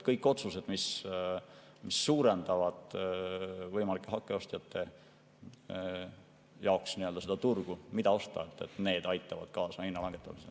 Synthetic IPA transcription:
kɤjkːˑo̞t̪suse̞d̪̥mis | misːuːɾend̪̥ɑvɑd̪̥ | vɤjmɑlikːˑeɦɑkːe̞o̞st̪jɑt̪ːe̞ | jɑoksniø̞ld̪ɑsed̪̥ɑt̪urɡ̥umid̪̥ɑo̞st̪ɑ̰et̪ːˑe̞̰t̪ːˑne̞ːd̪̥ɑjt̪ːˑɑvɑ̰d̪̥̚kɑːsɑhinːɑlɑŋɡ̥e̞t̪ːˑɑmisḛ

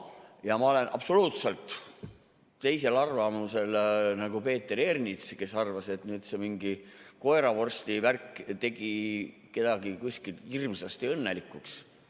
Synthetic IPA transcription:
jɑmɑo̞le̞nʔɑ̰pso̞luːt̪se̞lt̪ˑ | t̪e̞jse̞lɑrvɑmuse̞lnɑɡ̥upe̞ːt̪ːeɾernit̪ske̞sɑrvɑse̞t̪nyːd̪̥se̞miŋɡiko̞eɾɑvo̞rst̪iværkːt̪e̞ɡ̥i | ke̞d̪̥ɑɡ̥ikusʲkilhirmsɑst̪iɤnːe̞likːˑuks

